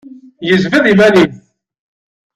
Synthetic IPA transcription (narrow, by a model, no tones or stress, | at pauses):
jəzvəðˤimænim